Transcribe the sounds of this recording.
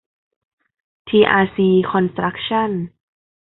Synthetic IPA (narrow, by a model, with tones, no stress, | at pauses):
t̪ʰiː˧ʔaː˧siː˧kʰɔ˧nst̪ɾa˦˥k̚t͡ɕʰa˥˩n